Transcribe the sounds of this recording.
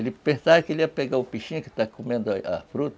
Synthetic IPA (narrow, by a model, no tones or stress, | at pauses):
elipesakiliapeɡaupiʃĩki̥t̪akʰomẽnd̪aa̰fɾut̪